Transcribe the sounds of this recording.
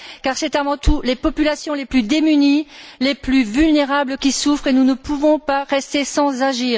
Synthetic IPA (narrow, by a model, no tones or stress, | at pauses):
kaʁsɛt̪avɑ̃t̪ulepɔpylasjɔ̃leplyd̪emynileplyvylneʁabləkʲisufχenunəpuvɔ̃paʁɛst̪esɑ̃zaʒiːʁ